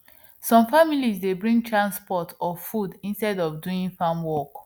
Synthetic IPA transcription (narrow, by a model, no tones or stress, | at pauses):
sɔ̃mfamilizdebɹĩŋɡtʰɹãnspɔtʰɔfudĩnstɛdɔfduĩŋfamwɔk